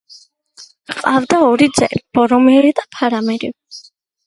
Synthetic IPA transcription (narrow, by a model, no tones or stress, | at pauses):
qʼavd̪aɔɾid̪zɛ̰ib̥ɔɾɔmiɛɾid̪apʰaɾamɛɾi